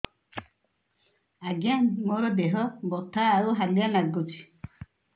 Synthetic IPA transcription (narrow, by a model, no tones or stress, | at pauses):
aɡanmɔɾɔbeɦɔmbɔt̪aːɾuɦalianaɡuti̥